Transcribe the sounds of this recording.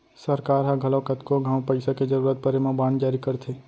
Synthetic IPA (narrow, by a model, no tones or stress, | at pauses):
səɾkaːɾɦaɡʱəlõkət̪koɡʱãːwpəɪsaked͡ʒəɾuːɾət̪̚pəɾemãbãːnd͡ʒaːɾikəɾt̪ʰe